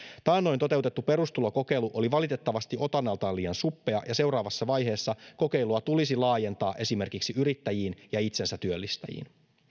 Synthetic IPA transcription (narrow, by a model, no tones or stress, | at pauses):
t̪ɑːnːo̞jnt̪o̞t̪e̞wt̪e̞t̪ːupe̞ɾust̪ulo̞ko̞ke̞ijluʔo̞liʋɑlit̪e̞t̪ːɑʋɑst̪iʔo̞t̪ɑnːɑlt̪ɑːlːiːɑnsupːeɑjɑse̞wɾɑːʋɑsːɑʋɑjɦe̞ːsːɑko̞ke̞jluɑt̪ulisilɑːje̞nt̪ɑːʔe̞sime̞rkiksiyɾit̪ːæjiːnjɑit̪se̞nsæt̪yølːist̪æ̰jḭːn